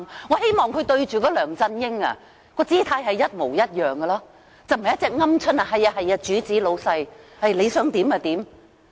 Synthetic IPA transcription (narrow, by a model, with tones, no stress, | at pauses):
ŋɔː˨˧he˥jmɔː˨ŋkʰɵ˨˧t̪ɵ˧ɥt͡ʃyː˨kɔː˨˧lœː˨˩ŋt͡sɐ˧njɪ˥ŋɐ̰˧ | kɔː˧t͡siː˥t̪ʰaː˧jɦɐ˨jɐ˥t̚mo˨˩wjɐ˥t̚jœː˨ŋɡɐ˧laː˥ | t͡sɐ˨˧wm̩˨jɐ˥t͡sɛː˨˧k̚ŋɐ˥mt͡ʃʰɵ˥nɐ˨˩ɦɐ˨jaː˧ɦɐ˨ja˧t͡ʃyː˨˥t͡siː˨˥lo˨˧wsɐ˧jhɐ˨jle˨˧sœː˨˥ŋt̪iː˨˥mɐː˨˧t̪iː˨˥m